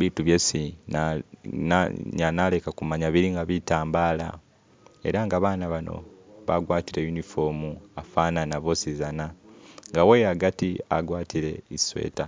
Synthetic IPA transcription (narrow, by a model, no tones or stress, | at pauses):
βiːtuβjesi | ɲanale̞kakumaɲaβiɾiŋɡaβitaːmbaːla̰ | e̞̰ɾaŋɡaβaːnaβano̞̰βaɡwaːtiɾejunifo̞muafananaβo̞sizanaŋɡawejaɡatia̰ɡwaːtiɾe̞̰iswḛːta